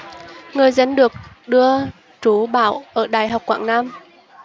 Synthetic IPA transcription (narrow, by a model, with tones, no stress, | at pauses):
ŋɨ˨˩əjzə˧nɗɨ˨˩ək̚ | ɗɨ˧ə | t͡ɕu˨˦ɓaː˧˩wʔəː˧˩ɗaː˨˩jɦa˨˩wk͡pkwa̰ː˧˨ŋnaː˧m